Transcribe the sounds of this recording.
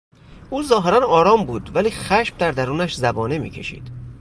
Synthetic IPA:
ʔuːzɒːɦe̞ɾænɒːɾɒːmbuːd̪væliːxæʃmd̪æɾd̪æɾuːnæʃzæbɒːnemḭːcʰe̞̰ʃḭːd̪̥

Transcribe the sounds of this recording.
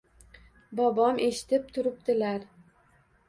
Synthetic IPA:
bɒbɒmʔe̞ʃɪ̥t̪ɪp̚t̪ʰʊɾɪp̚d̪̥ɪlaɾ

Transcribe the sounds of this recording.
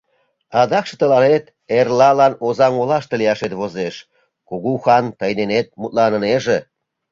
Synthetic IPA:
ɑd̪ɑkʃə̥̆t̪əlɑnet̪ | erlɑlɑnozɑŋolɑʃt̪elijɑʃet̪βozeʃ | kuɣuxɑnt̪əjd̪enet̪̚mut̪̚lɑnə̆neʒe

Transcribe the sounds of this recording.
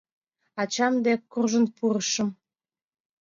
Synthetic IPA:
ɑt͡ɕɑmd̪ekːurʒənpuɾəʃə̆m

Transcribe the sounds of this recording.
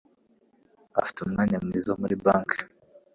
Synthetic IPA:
afi̥teumŋaːɲamŋizomuɾibaːŋk

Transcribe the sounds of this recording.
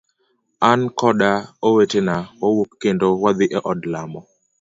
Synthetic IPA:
ankɔɗaowetenawawop̚kendowad̪ɪʔɛʔɔdlamɔ

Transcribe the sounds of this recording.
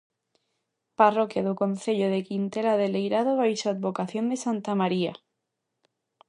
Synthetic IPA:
parokjaðokon̟θeʎoð̞ekint̪elaðelejɾaðoβajsoad̪βokaθjond̪esant̪amaɾia

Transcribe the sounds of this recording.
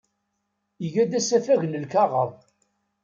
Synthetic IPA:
əʝæd̪æsæfæɣləlkaʁəv

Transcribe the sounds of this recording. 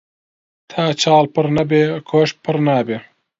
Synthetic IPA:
t̪ʰaːt͡ʃʰaːlpɨɾnɐbeːkʰoːʃpʰɨɾnaːbeː

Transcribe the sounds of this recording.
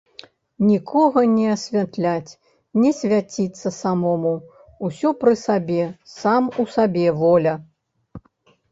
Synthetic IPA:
nʲikʰɔɣɐnʲɛasʲvʲat̪lʲat͡sʲ | nʲɛsʲvʲat͡sʲit̪sːɐsamɔmu | usʲɔpɾɨsabʲɛsamusabʲɛvɔlʲɐ

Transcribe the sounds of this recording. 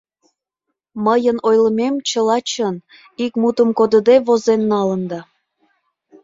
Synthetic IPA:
məjənojləmemt͡ɕəlɑt͡ɕən | ikmut̪əmkod̪əd̪eβozenːɑlənd̪ɑ

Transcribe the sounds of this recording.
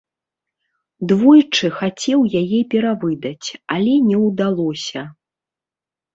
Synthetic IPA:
d̪vɔjt͡ʂɨxat͡sʲɛwjajɛpʲɛɾavɨd̪ɐt͡sʲalʲɛnʲɛwd̪alˠɔsʲɐ

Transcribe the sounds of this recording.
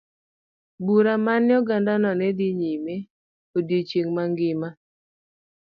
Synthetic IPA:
buɾamanjɔɡandanɔnɛdiɲime | odit͡ʃeŋmaŋɡɪma

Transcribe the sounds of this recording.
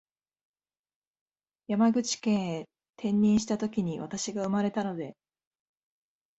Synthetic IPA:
jamaɡɯ̟t͡ɕi̥kẽ̞ɰ̃e | t̪ʰẽ̞ɲ̟ːĩɰ̃ɕi̥t̪at̪o̞kʲiɲ̟iβa̰t̪aɕiɡaɯ̟maɾe̞t̪ano̞d̪e̞

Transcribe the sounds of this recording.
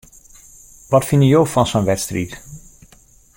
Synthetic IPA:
ʋɑtfɪndəjowfɑnsɔnʋɛtstrit

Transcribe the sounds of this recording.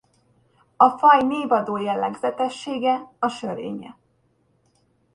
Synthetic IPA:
ɒfɒjneːbɒd̪oːjɛlːɛɡzɛt̪ɛʃːeːɡɛɒʃøɾḛːɲɛ̰

